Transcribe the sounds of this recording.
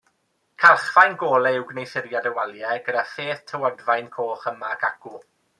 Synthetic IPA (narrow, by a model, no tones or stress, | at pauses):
kʰalˠχfajnɡoːlˠɛɪwɡnejsɪɾjadəwalˠjɛɡədafeːθtʰəwɔdvajnkʰoːχəmaɡʰaɡ̥ʊ